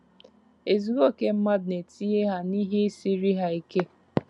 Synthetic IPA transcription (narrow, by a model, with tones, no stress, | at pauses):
e˨zu˦ɣo˦ke˦m̩˦ma˦dne˨ti˦je˦ɦa˦ni˦ɦe˦si˦ɾi˦ɦa˦i˦ke˦